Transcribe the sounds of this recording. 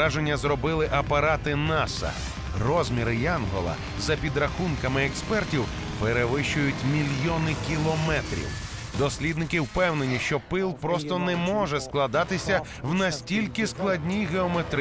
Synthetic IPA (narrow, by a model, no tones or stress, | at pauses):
aʒenʲːɐzɾɔbɪlˠɪʔɐpɐɾat̪ɪnɑsɐ̰ | rɔzʲmʲiɾɪjanɦɔ̰lˠɐ̰ | zɐpʲid̪ɾɐxunkɐmɪɛkspɛrtʲiw | peɾeʋɪʃʊjʊtʲmʲilʲjɔnɪkʲilˠɔmɛt̪ɾʲḭwd̪ɔsʲlʲid̪nɪkɪwpɛwne̞nʲiʃt͡ʃɔpɪlˠpɾɔst̪ɔnɛmɔʒɛsklˠɐd̪ɑt̪ɪsʲɐ | wnɐsʲtʲilʲkɪsklˠɐdʲnʲijɦeɔmet̪ɾ